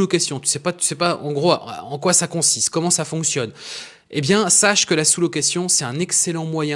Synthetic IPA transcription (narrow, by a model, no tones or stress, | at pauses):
lɔkasjɔ̃t̪y̥sɛpat̪y̥sɛpaɑ̰̃ɡʁoaʔa̰ɑ̃kwasakɔ̃sist̪̚kɔmɑ̃safɔ̃ksjɔn | ebjɛ̃saʃkəlasulɔkasjɔ̃sɛt̪ɛ̃nɛkselɑ̃mwajɛ̃